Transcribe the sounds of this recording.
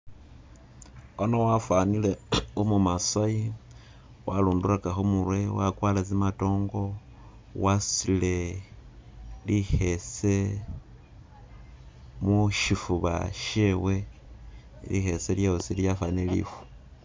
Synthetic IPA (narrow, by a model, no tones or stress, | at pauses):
onowafwanileumumasai | waluːnduɾakaxomuɾwewakwaːlat͡simato̞ːŋɡo̞ | wasile̞ | lixese | muʃifuβa̰ʃewe | lixeseljaosiljafanielḭfu̥